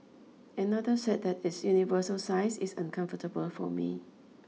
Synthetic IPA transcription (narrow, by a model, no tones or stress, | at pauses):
ɛ̃nadəsɛt̚dɛt̚ɪsjunivəsəlsaɪsisãnkʰãɱfətəbəlfɔ̰mḭ